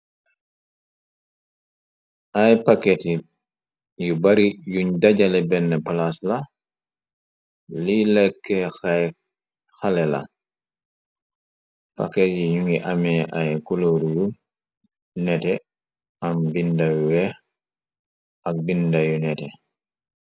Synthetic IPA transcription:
ʔajpakɛti | jubaɾijuɲdaɟalɛbɛnːɛpalasla | lilɛkːɛxa | xalɛla̰ | pa̰kɛtjijuŋiʔamɛʔajkuloɾuju | nɛtɛ | ambindajuwɛ | ak̚bindajunɛtɛ

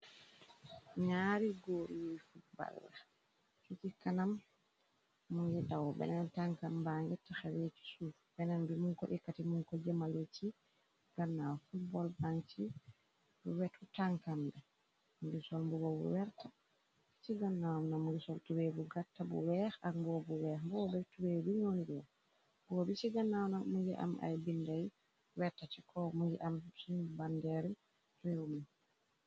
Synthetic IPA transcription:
ɲaɾiɡoɾiwifuba̰lːa | sut͡ʃikanam | unɡɛtawɔbɛ̰nantaŋkambaŋɡɛtːaxawet͡ʃi̥sufbɛnanbimuŋkɔʔɛkːatimuŋkɔd͡ʒɛmalot͡ʃi | ɡ̥anːawafut̚bɔlbaŋt͡ʃi | buwɛtutaŋkambɛ | muɡisɔlmbuɡɔbṵwɛɾta | siɡanːawnamuɡisɔltuwebuɡatːabṵwɛɾaɡmbɔbuwɛːhbɔɔbɛtuwebuɲoniɡɛwɔ̰ | bɔbisiɡanːawnamuɡɛʔa̰mʔa̰jbindaj | wɛɾtatikʰɔmuɡɛ̰ʔamsibandɛɾi | tuwewumun

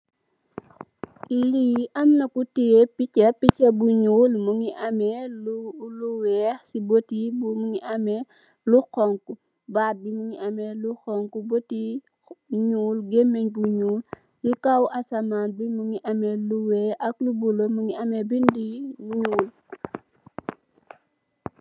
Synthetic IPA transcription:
liʔɐmnɐkutijepicɐpicɐbuɲuːlmuŋiʔɐmɛluluwɛːxsibotibumuŋiʔɐmɛ | luxɔŋku | baːt̚bimuŋiɐmɛluxɔŋkuboti | ɲuːlɡemːeɲbuɲuːl | jikawʔɐsɐmaːnbimuŋiʔɐmɛluwɛːʔɐklubulomuŋiɐmɛbindiɲuːl

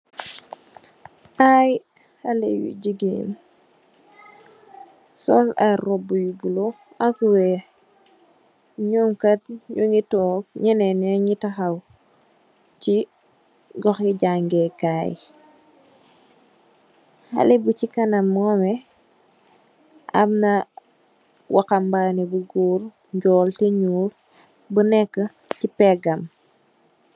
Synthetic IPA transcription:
aj | halḛjṵɟiɡḭn | sɔlaɾobujubulo | akuwe | ɲuŋkat̚ɲuŋitoːk̚ɲinɛnɛɲitaxaw | ci | ɡɔxiɟaŋɡɛkaːj | hɐ̰libucikɐnɐmːɔːmɛ | ʔɐ̰mnɐ | wʔakɐmbaːnɛbuɡuːɾ | ɲɟɔːltɛɲuːl | bənɛkːə | cipɛɡɐm

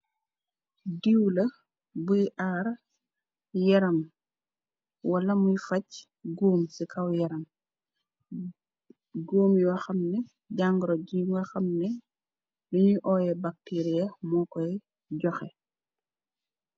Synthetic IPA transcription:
diwlɐ | bujiʔaːɾ | jɛɾɐm | wɐlɐmujfɐc | ɡuːmsikʰɐwjɛɾɐm | ɡoːmjiwɐxɐmnɛ | ɟaŋɡɾɔɟiɡɐxɐmnɛ | luɲiʔɔːjɛbak̚tiːɾijɐmɔkɔj | ɟɔxɛ

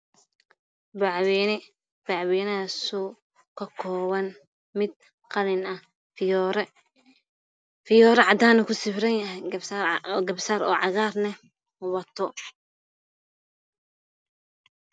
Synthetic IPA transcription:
bwɛ | b̥aʕwɛːnɐsu | kʰɐkʰɔːwɐn | mɪd̪̚ | qɑlɪnɐh | ɾ | fɪjɔːɾɛʕɑd̪aːnɐkʰʊsɪfɾɐjɦ | ɡɐbsaːɾɔ̰ːʕɑɣaːrnɛ | wɑt̪ʰɔ

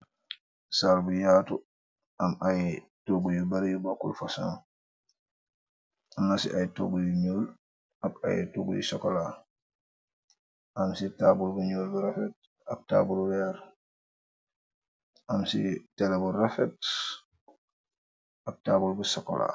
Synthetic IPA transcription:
salbujaːtu | ɐmaj | toɡujubɐɾijubakṵlfasa̰ŋ | amnasḭʔajto̰ɡujuɲoːl | ɐka̰jtoɡujṵsɔkɔla | ʔamsitaːbulbuɲoːlbuɾafɛt̚ | ɐk̚ta̰ːbullɛɾ | ʔamsḭtɛlaburafɛt̚ | ʔɐk̚taːbulbusɔkɔ̰la̰

